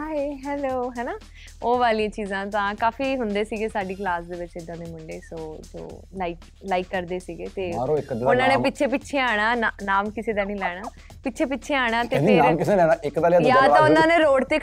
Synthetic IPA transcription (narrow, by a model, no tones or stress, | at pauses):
ɦaːiɦɛːloːɦɛːnaː | oːʋaːlijãːt͡ʃiːzãːt̪ãːkaːfiːɦʊnd̪eːsiːɡeːsaːɖiːklaːsd̪eːʋɪt͡ʃɪd̪ãːd̪eːmʊɳɖeːsoːd͡ʒo̰ːlaːiːk | laːɪikːəɾd̪eːsiːɡeːt̪eːɾoɪkd̪ʊnãːneːpɪtːʃʰeːpɪtːʃʰeːaːɽ̃aːnanaːmkɪseːd̪aːnĩːlɛːɽ̃aː | pɪtːʃʰeːpɪtːʃʰeːaːɽ̃aːt̪eːpɪnaːmkɪselɛːnaːɪkd̪aːlajaːt̪ãːʊnãːneːɾoːɖt̪eː